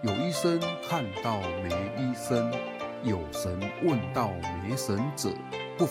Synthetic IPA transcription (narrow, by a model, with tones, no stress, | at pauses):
jo˨˩ʊi˥˩sə˦nkʰa˥˧nt̪ɑ˥˩ʊme˧˦ɪi˥sə˦n | jo˨˩ʊʂə˧˦nwʔə˥˨nt̪ɑ˥˩ʊme˨˧˦ɪʂə˧˦nt͡sə̰˨˩˦ | pu˥˩